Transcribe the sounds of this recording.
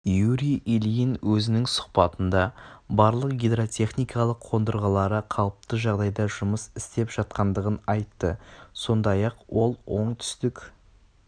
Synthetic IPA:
juɾiʔelijinwɵzɪnɪŋsʊ̥qpɑt̪ənd̪ɑbɑɾlˠəq̚ɡʲed̪ɾo̞t̪ʲʰe̞χnijkɑlˠəqʰo̞nd̪əɾʁɑlˠɑɾəqʰɑlˠəp̚t̪əʒɑʁd̪ɑjd̪ɑʒʊməsɪst̪e̞pʒ̥ɑt̪̚qɑnd̪əʁənɑjt̪ːəso̞nd̪ɑjɑqwo̞lˠwo̞ɴt̪ʰʏ̥st̪ɪk

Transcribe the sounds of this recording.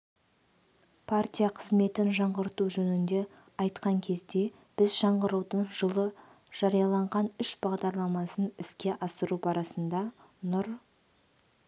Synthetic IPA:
pʰart̪ʲijaqʰəzme̞t̪ɪnʒɑɴʁəɾt̪uʒɵnɪnd̪e̞ | ɑjt̪qɑŋkʲʰe̞zd̪e̞ | b̥ɪzʒɑɴʁəɾuwd̪əɴʒəlˠə | ʒ̥ɑɾijɑlˠɑɴʁɑnʏʃbɑʁd̪ɑɾlˠɑmɑsənɪskʲe̞ʔɑsəɾupɑɾɑsənd̪ɑ | nʊɾ

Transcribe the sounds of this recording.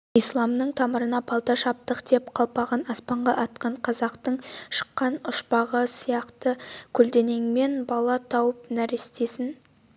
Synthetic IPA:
ijslˠɑmnəɴt̪ʰɑməɾənɑpʰɑlˠt̪ɑʃɑp̚t̪əqd̪e̞pqʰɑlˠpɑʁɑnɑspɑɴʁɑʔɑt̪qɑɴqʰɑzɑqt̪əɴʃə̥qːɑnʊʃpɑʁəsijɑqt̪əkʲʰɵld̪e̞ne̞ŋme̞nbɑlˠɑt̪ʰɑwəp̚næɾest̪e̞sɪn

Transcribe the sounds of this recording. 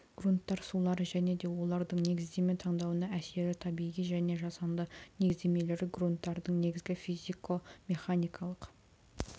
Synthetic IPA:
ɡ̥runt̪ːɑɾsulˠɑɾəʒæne̞d̪e̞wo̞lˠɑɾd̪əɴne̞ɡʲɪzd̪e̞me̞t̪ʰɑɴd̪ɑwənɑæse̞ɾɪt̪ʰɑbijʁijʒæne̞ʒɑsɑnd̪əne̞ɪzd̪e̞me̞le̞ɾɪɡrunt̪ːɑɾd̪əɴne̞ɡʲɪzɡʲɪfizikʰo̞me̞χanijkʰɑlˠəq

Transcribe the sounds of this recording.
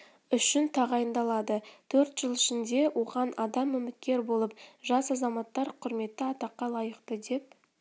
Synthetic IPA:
ʏʃɪnt̪ʰɑʁɑjənd̪ɑlˠɑd̪ət̪ʰɵɾt̪ʒ̥əlˠɪʃɪnd̪e̞wʔo̞ʁɑnʔɑd̪ɑmʏmɪt̪̚kʲe̞ɾbo̞lˠəpʒɑsɑzɑmɑt̪ːɑɾqʰʊɾme̞t̪ːɪɑt̪ɑqːɑlˠɑjəqt̪əd̪e̞p̚

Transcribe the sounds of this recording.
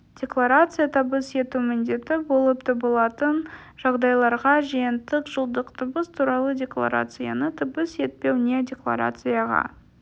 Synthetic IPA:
d̥ʲe̞klˠaɾat̪sɨjat̪ʰəbəse̞t̪umɪnd̪e̞t̪ɪbo̞lˠəp̚t̪ʰəbəlˠɑt̪ən | ʒ̥ɑʁd̪ɑjlˠɑɾʁɑʒijɪnt̪ɪqʒəlˠd̪əqt̪ʰəbəst̪ʰuɾɑlˠədʲe̞klˠa̰ɾa̰t̪sɨja̰nət̪ʰəbəse̞t̪̚pe̞wnʲedʲe̞klˠa̰ɾa̰t̪sɨjɑʁɑ̰

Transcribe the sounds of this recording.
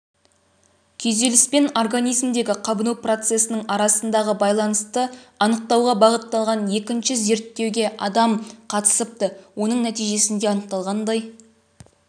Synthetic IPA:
kʲʰɵzd̪e̞lɪspe̞no̞rɡanʲijzmd̪e̞ɡʲɪqʰɑbənuwpro̞t̪se̞sənəɴɑɾɑsənd̪ɑʁəbɑjlˠɑnəst̪əɑnəq̚t̪ɑwʁɑbɑʁət̪ːɑlˠʁɑnje̞kʲɪnʃɪze̞ɾt̪ːe̞wɡʲe̞ʔɑd̪ɑmqʰɑt̪ə̥səp̚t̪əwo̞nəɴnæt̪ijʒe̞sɪnd̪e̞ɑnəq̚t̪ɑlˠʁɑnd̪ɑj

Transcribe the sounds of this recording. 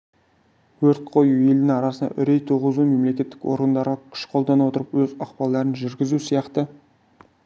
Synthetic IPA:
wɵɾt̪̚qʰo̞jue̞ld̪ɪŋɑɾɑsənd̪ɑ̰ʔʏɾejt̪ʰuʁəzume̞mle̞kʲe̞t̪ːɪkwo̞̰ɾɡənd̪ɑɾʁɑkʲʰʏ̥ʃqʰo̞lˠd̪ɑnuwo̞t̪əɾəpwɵzɑqpɑlˠd̪ɑɾənʒʏɾɡʲɪzusijɑqt̪ə

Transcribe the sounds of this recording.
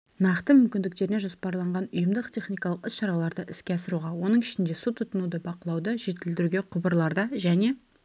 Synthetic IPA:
nɑqt̪əmʏmkʲɪnd̪ɪk̚t̪e̞ɾɪneʒospɑɾlˠɑɴʁɑnʊjəmd̪əqt̪ʲʰe̞χnijkɑlˠəqɪsʃɑɾɑlˠɑɾd̪əʔɪskʲeɑsəɾuʁɑwo̞nəɴɪʃɪnd̪e̞sut̪ʰːʊt̪ənud̪əbɑqəlˠɑwd̪əʒe̞t̪ɪld̪ɪɾuɡʲe̞qʰʊbəɾlˠɑɾd̪ɑʒæne̞

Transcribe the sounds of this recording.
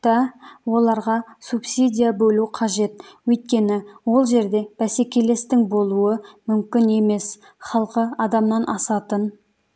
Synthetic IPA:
t̪ɑwo̞lˠɑɾʁɑsupsʲid̪ʲijabɵluqʰɑʒe̞t̪wɵjt̪̚kʲe̞nɪwo̞lˠʒe̞ɾd̪e̞b̥æse̞kʲe̞le̞st̪ɪŋbo̞lˠuəmʏmkʲɪne̞me̞s | χɑlˠqəɑd̪ɑmnɑnʔɑsɑt̪ən

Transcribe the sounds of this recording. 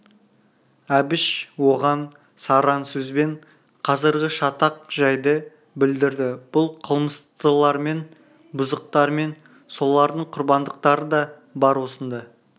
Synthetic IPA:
æbɪʃwo̞ʁɑn | sɑɾɑnsɵzbe̞ɴ | qʰɑzəɾɡʲɪʃɑt̪ɑq̚ʒɑjd̪ə | bɪld̪ɪɾd̪ɪb̥ʊlˠqʰəlˠməst̪əlˠɑɾme̞n | bʊzəq̚t̪ɑɾme̞n | so̞lˠɑɾd̪əɴqʰʊɾbɑnd̪əq̚t̪ɑɾəd̪ɑ | bɑɾwosənd̪ə

